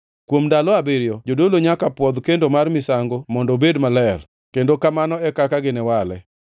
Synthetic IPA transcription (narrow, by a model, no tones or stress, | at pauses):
kwomdalɔabeɾjɔd͡ʒodoloɲakapwɔd̪kendomarmɪsaŋɡomɔndɔbedmalɛr | kendokamanɔɛkakaɡɪnɛwalɛ̰